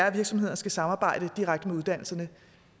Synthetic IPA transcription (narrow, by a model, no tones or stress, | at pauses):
æɐʋiɐɡ̥sɒ̽mhe̝̰ɐnsɡ̥æsɑ̈mɑːb̥ɑ̈ɪ̰ɾ̥əd̥iʁaɡ̥̚d̥əmeuðˠd̥æn̰l̩sɐnə